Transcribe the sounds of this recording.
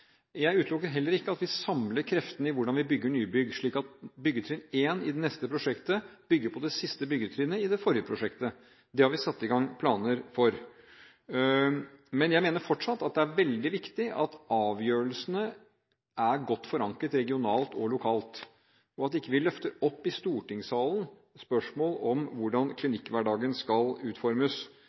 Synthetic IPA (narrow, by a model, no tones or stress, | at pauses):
jæɪʉːt̪lʊkːəɦɛlːəɾɪkːəɑt̪ʋɪsɑmləɾkʰɾɛft̪ənəɪʋʊɖɑnʋɪbʏɡːəɳyːbʏɡʂɭiːkɑt̪̚bʏɡːət̪ʰɾʏneːnɪd̪ɛnɛst̪əpʰɾʊʂɛkt̪əb̥ʏɡːəɾpʰɔd̪ɛsɪst̪əbʏɡːət̪ʰɾyːnəɪd̪ɛfɔɾjəpʰɾʊʂɛkt̪ə | d̪ɛhɑɾʋɪsɑt̪ːɪɡɑŋpʰlɑːnəɾfɔɾ | mɛnjæɪmeːnəɾfɔʈʂɑt̪ːɑt̪̚d̪ɛæɾʋɛld̪ɪʋɪkt̪ɪʔɑt̪ɑːʋjøːɾəɭsnə | ʔæɾɡɔt̪ːfɔɾɑŋkət̪ɾɛɡɪʊnɑːlt̪ʰɔlʊkʰɑːlt̪ | ɔɑt̪d̪ɛɪkːəʋɪlœft̪əɾɔpːɪst̪uːʈɪŋsɑːlən | spœʂmoːlɔmʋʊɖɑnkʰlɪnɪkːʋæɖɑːɡənskɑlʉːt̪fɔɾməs